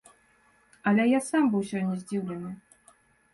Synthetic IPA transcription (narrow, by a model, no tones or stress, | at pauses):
ɐlʲɛjasambɨwsʲɔnʲɛzʲd͡zʲiwlʲɛnɨ